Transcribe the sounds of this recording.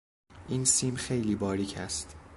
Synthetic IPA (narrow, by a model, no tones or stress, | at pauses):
ʔiːnsiːmxe̞jliːbɒːɾiːcʰæst̪